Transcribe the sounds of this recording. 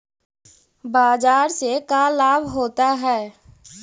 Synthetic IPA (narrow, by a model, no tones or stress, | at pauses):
baːzaːɾsekalaːbʱɦoːt̪aɦɛː